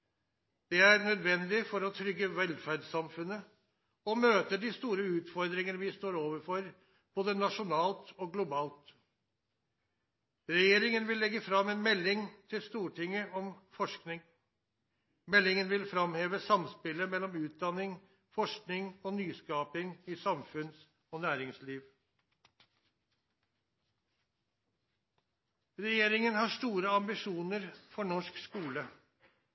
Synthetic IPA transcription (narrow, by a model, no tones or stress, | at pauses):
d̪̥ɛæɾnœd̪ʋɛnd̪ɪfɔɾɔt̪ʰɾʏɡːəʋɛlfæɖsɑmfʉnːə | ɔmøːt̪əɖɪst̪uːɾəʉːt̪fɔɾd̪ɾɪŋənəʋɪst̪oːɾoːʋəɾfɔɾ | b̥oːd̪ənɑʂʊnɑːlt̪ɔɡlʊbɑːlt̪ | ɾɛjeːɾɪŋənʋɪlːɛɡːəfɾɑmːɛnmɛlːɪŋt̪ʰɪlst̪uːʈʰɪŋːəʔɔmfɔʂknɪŋ | mɛlːɪŋənʋɪlfɾɑmheːʋəsɑmspɪləmɛlːɔmʉːt̪̚d̪ɑnːɪŋ | fɔʂknɪŋoːnyːskɑːpɪŋɪsɑmfʉns | oːnæːɾɪŋsliːʋ | ɾɛjeːɾɪŋənhɑʂt̪uːɾəɑmbɪʂuːnəɾfɔɳɔʂkskuːlə